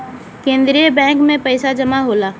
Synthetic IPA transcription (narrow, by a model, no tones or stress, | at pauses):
kẽːnd̪ɾijəbɛ̃ːŋkmẽpɐɪsad͡ʒɐmaɦoːlaː